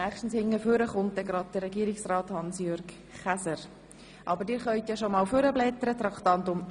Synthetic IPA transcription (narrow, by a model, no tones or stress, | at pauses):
æχʃtn̩shɪŋːəføɾəχʊnt̚dɛɡɾɑd̚d̥ərːɛɡiəɾɪksrɑːthɑnsjøɾɡ | χæsəɾ | ʔɑbəɾdɪːɾχœʏt̪jɑʃomɑːlfʏɾəblɛt̪əɾət̪ɾɑkt̪ɑnt̪ʊm